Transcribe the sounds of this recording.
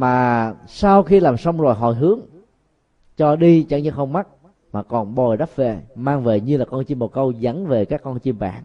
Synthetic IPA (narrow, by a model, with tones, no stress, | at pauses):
maː˨˩saː˧wxi˧laː˨˩msə˧wŋ͡mzo˨˩jɦɔ̰˧˨jɦɨ˨˦əŋ | t͡ɕɔ˧ɗi˧t͡ɕa˨˦ŋɲɨ˧xə˧wŋ͡mma˦˥t̚ | maː˨˩kɔ˨˩nɓo˨˩jɗa˦˥p̚ve˨˩maː˧ŋve˨˩ɲɨ˧laː˨˩kɔ˧nt͡ɕi˧mːo˨˩kə˧wza˨˦nve˨˩kaː˦˥kːɔ˧nt͡ɕi˧əmɓa̰ː˧˩n